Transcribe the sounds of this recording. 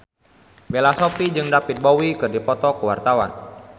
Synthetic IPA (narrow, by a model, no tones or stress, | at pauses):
belasopid͡ʒɨŋdapit̪̚bowikɨrdipɔt̪ɔkəwart̪awa̰n